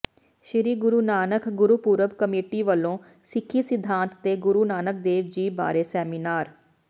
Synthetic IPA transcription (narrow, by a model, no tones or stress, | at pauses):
ʃɪɾiːɡʊɾuːnaːnəkʰɡʊɾuːpuːɾəbkəmeːʈiːʋəlːõː | sɪkʰːiːsɪd̪ʱːãːnt̪ːeːɡʊɾuːnaːnək̚d̪eːʋd͡ʒiːba̰ːɾeːsɛːmiːnaːɾ